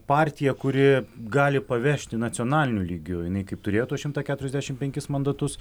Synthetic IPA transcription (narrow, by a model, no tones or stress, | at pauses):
pɑːɾʲt̪ʲɪjɛkʊɾʲɪɡɑːlʲɪpɐʋʲɛʃʲt̪ʲɪnɐt̪sʲioːnɑːlʲɪnʲulʲiːɡʲʊjɪnɐɪkɐɪpt̪ʊɾʲeːjoːt̪uɔsʃʲɪmt̪ɑːkʲæt̪ʊɾʲɛzd̪ʲæːʃʲɪmpʲɛŋʲkʲɪsmɐnd̪ɐt̪ʊs